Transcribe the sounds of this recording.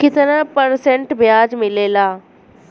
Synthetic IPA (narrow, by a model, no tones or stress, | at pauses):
kɪt̪ɾãpəɾsẽɳʈbjaːd͡ʒmɪleːlaː